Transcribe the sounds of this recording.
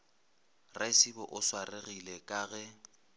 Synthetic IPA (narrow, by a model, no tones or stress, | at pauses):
rʔɛsibɔʔʊswareɣilekʼaːɣɛ